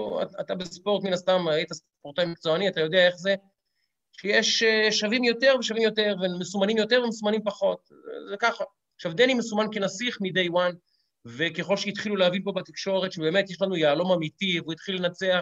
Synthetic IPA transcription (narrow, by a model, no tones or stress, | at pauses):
a̰a̰t̪abespo̞ʁt̪minast̪amejt̪as | poʁtajmik̚t͡soaniat̪ajo̞d̪eae̞χze̞ | ʃejeʃʃavimjo̞t̪e̞ʁveʃavimjo̞teʁvemesumanimjo̞teʁvemesumanimpaχo̞t̚ | zekaχa | ʃavd̪enimesumankenasiχmid̪ejwan | vekeχo̞lʃeit̪χiluleavilpo̞bat̪ikʃo̞ʁet̪ʃebe̞ːmet̪jeʃlanujaːlo̞mamitivuit̪χilenat͡sea